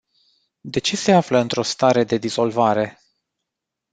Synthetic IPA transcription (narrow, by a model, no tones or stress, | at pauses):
d̪e̞t͡ʃe̞se̞afləɨnt̪ɾo̞st̪aɾe̞d̪e̞d̪iz̥o̞lvaɾe̞